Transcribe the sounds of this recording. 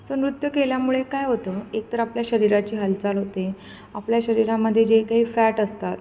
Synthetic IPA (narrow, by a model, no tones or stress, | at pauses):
sənɾut̪jəkeljamuɭekajɦot̪əek̚t̪əɾapljaɕəɾiɾat͡ɕiːɦəlt͡salɦot̪e | apljaɕəɾiɾaməd̪ʱːjed͡ʑekaɦiːfæʈəst̪at̪